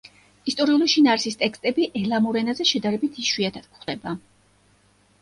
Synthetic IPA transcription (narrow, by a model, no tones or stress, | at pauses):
ist̪ʼɔɾiuliʃinaːɾisist̪ʼɛkst̪ʼɛbiʔɛlamɔɾɛnazɛʃɛd̪aɾɛbit̪ʰiʃwiat̪ʰad̪̚kχd̪ɛba